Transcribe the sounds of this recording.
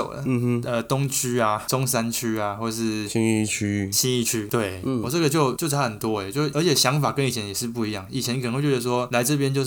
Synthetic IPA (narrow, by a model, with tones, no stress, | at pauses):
o̰˨˩ʊdə̰˩˧ə˧t̪ʊ˥ŋt͡ɕʰy˥a˨t͡sʊ˥ŋs̬a˦˥nt͡ɕʰy˥a˨xwɔ˥˧ʂɻ̩˥˩i˥˦ŋi˥˩t͡ɕʰy˥ɕi˥ni˥˧t͡ɕʰy˥t̪we˥˩ɪwɔ˨˩t͡sɤ˥˩ɡə˨˩t͡ɕjo˥˩˧ʊt͡ɕjo˥˩ʊʈ͡ʂʰa˨˥xə˨˩nt̪wɔ˦˥ɛ˨˩t͡ɕjo˥˧ʊ˥˩ə˧˥t͡ɕʰjɛ˨˩ɕjɑ˧˦˥ŋfa˨˩kə˧˥ni˨˩ɛ˦njɛ˨˩ʂɻ̩˥˧p̬u˥˩i˨˥jɑ˥˩ŋi˨˩t͡ɕʰjɛ˧˦nkə˨nə˧˦wt͡ɕɛ˥˩ə˧˥ʂwɔ˥la˧˥ɪʈ͡ʂɤ˥˧˩p̬jɛ˥nt͡ɕjo˥˧ʊ˥